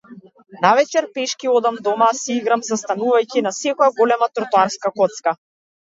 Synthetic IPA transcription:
navɛt͡ʃɛɾpɛʃkiɔd̪amd̪ɔmasiɡɾamzast̪anuvajcinasɛkɔjaɡɔlɛmat̪ɾɔt̪ɔaɾskakɔt̪ska

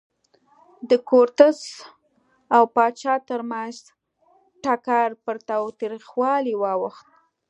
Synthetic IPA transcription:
d̪əkoɾt̪əz | awpɑt͡ʃɑt̪əɾmanz | ʈakaɾpəɾt̪ɑwt̪ɾixwɑliwɑwəxt̪̚

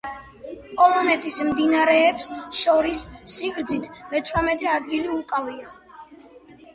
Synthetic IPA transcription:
pʼɔlˠɔnɛt̪ʼismd̪inaɾɛːpsʃɔɾisːiɡɾd̪zit̪ʰmɛt̪ʰvɾamɛt̪ʰɛad̪ɡiliukʼavia

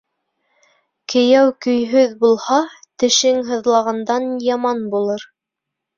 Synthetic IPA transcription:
kɘ̆jæwkɵ̆jɦɵðbulˠhɑt̪ɘ̆ʃɘŋɦɤ̆ðlˠɑʁɑnd̪ɑnjɑmɑnbulˠɤɾ

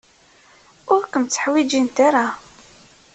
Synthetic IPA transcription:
ʊɾkəmt͡sːə̥ħwid͡ʒint̪aɾa

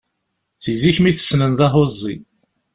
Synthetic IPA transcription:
t͡sːiziçmiθə̥snənðɑɦozˤːḭ

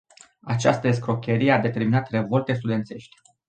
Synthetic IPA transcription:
at͡ʃast̪əes̬kɾo̞kʲe̞ɾijead̪e̞t̪e̞ɾminat̪re̞vo̞lt̪e̞st̪ud̪ent̪se̞ʃt̪ʲ

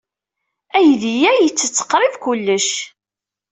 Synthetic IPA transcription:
æjðijæjət͡sːət͡sːə̥qːɾˤɪvkʊlːəʃ

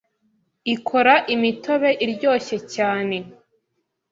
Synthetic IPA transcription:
ikʰo̞ɾaʔimitʰo̞βe̞ʔiɾɟo̞ːçe̞caːne̞

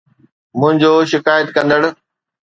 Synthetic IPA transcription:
mʊ̃ɦɪ̃ɲd͡ʑoːʃɪkaːjət̪kɐ̃nd̪əɽ̆

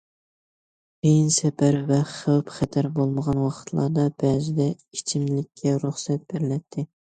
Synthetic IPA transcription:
b̥ejinsɛpʰæɾvɛχəwpχɛt̪ʰæɾbolˠməʁɑnwɑqə̥t̪ʰlˠɑ̰d̪ɑb̥ɛd͡ʒɪd̪ɛ | it͡ʃʰimlɪkʲʰːɛɾuχsɛt̪̚b̥ɪɾlɛt̪ʰːɪ

